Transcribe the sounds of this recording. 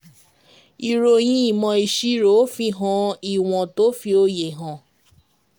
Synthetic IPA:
i˨ɾo˨j̃ĩ˧˦i˦˨mɔ̃˧i˨ʃi˦ɾo˨˦fĩ˧ɦã˨˦i˦˨w̃ɔ̃˨to˨˦fi˧o˧je˨ɦã˨

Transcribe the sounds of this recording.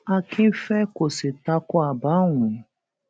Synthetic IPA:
a˦kɪ˦fe˦ko˨sɪ˨ta˦kʊ˦a˨ba˦ŋʷʊ˨

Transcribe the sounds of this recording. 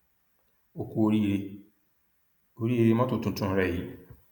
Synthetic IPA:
o˨ku˨o˨ɾi˦ɾe˦ | o˨ɾi˦e˦ɾe˦mã˦tʊ̃˨tʰʊ̃˨ntʰʊ̃˦ɾa˨ji˦

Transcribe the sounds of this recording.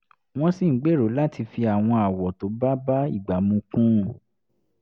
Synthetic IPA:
w̃ɔ̃˦si˨˦ɡ͡be˦˨ɾo˨˦la˦ti˧fi˧a˨w̃ɔ̃˧a˨wɔ˨to˨˦ba˦ba˦ḭ˦˨ɡ͡ba˨mũ˧kũ˦˨

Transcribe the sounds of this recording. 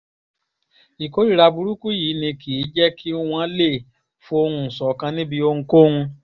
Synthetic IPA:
i˨ko˨˦ɾi˦ɾa˧bu˧ɾu˦ku˦ji˨˦nĩ˧kʰi˨˦d͡ʒɛ˦kʰi˦w̃ã˦le˦˨ | fo˦o˧ɾũ˧˨sɔ˨˦kã˧nĩ˦bi˧o˧ŋ̩̃˧ko˦ũ˧

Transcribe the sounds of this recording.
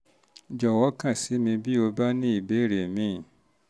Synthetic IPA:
d͡ʒɔ˨wɔ˨˦kã˦˨si˨˦mĩ˧bi˦o˧ba˦nĩ˦i˦˨be˨˦˨ɾe˨mĩ˨˦˨

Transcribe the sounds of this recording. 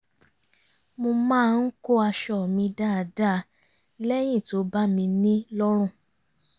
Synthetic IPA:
mo˧mãː˦˧n̩˦ko˦a˧ʃɔ˨mĩ˧da˦˨da˦˨˦ | lɛ˦j̃ĩ˦˨to˨˦ba˦mĩ˧nĩ˦lɔ˦ɾ̃ũ˦˨

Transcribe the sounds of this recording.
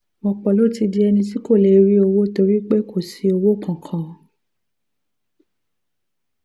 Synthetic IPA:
wɔ̃˧k͡pɔ˨lo˦ti˧di˧ɛ˧nĩ˧t̬i˦ko˦˨le˨˦ɾi˦o˧wo˦to˧ɾi˦k͡pe˦kʰo˦˨si˨˦o˧wo˦kã˨kʰã˨

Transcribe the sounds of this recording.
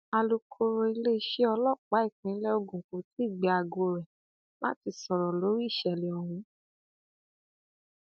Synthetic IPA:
a˧lu˧kʰo˧ɾo˧i˧le˦i˧˦ʃe˦ɔ˧lɔ˦˨k͡pa˨˦i˦˨kĩ˨˦lɛ˦o˧ɡũ˨kũ˨˧˦ti˦i˦˨ɡ͡bɛ˨a˧ɡo˧ɾɛ˨ | la˦ti˧sɔ˨ɾɔ˨lo˨˦ɾi˦˨ʃɛ˨le˨ɔ˨hũ˧˦

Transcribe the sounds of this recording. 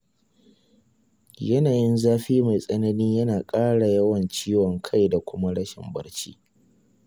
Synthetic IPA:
jɐ˦naː˨jɪ˦nzaː˦ɸiː˦ma˨jsʼɐ˦nɐ˦niː˦jɐ˦naː˨kʼaː˦ɽa˨jɐ˦wɐ˨nt͡ʃiː˦wɔ˨ŋkʰa˦jda˨kʷʊ˦ma˦ɽɐ˦ʃɪ̰˨mbɐ̰˦ɽt͡ʃḭ˦

